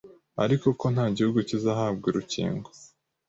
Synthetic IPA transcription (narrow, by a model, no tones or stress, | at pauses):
a̰ɾiko̞ko̞n̥haːɟihuɡucizaɦaːb̚ɡiɾucḭːŋɡo